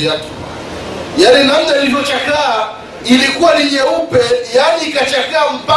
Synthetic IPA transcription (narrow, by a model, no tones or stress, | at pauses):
a | janinam̩naalivɔt͡ʃakaː | ilikuwaliɲɛupɛjaniːkat͡ʃakaːm̩pa